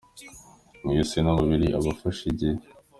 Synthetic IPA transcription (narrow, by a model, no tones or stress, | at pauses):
mujosenaβaβiɾiʔaβafaʃiɟe